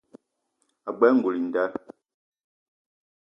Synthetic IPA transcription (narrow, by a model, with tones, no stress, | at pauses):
a˨bɛ˦ŋ˨ɡu˨li˨n̩˨da˦